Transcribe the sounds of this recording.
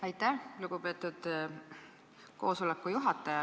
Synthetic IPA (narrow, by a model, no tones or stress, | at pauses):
ɑjt̪ːˑæluɡ̥upe̞ːt̪ːˑud̪̥ | ko̞̰ːso̞lekːˑujuɦɑt̪ˑːɑjɑ